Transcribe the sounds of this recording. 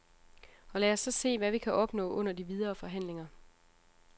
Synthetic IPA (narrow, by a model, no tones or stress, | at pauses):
ɒ̽læːɒsːɒ̽se̝̰ːʋæʋikʰæʔɒ̽b̥nɔ̰̽ːʔɔ̽n̰ɐdiʋið̞ˠɐːfɒ̽ɦæn̰le̝ŋɐ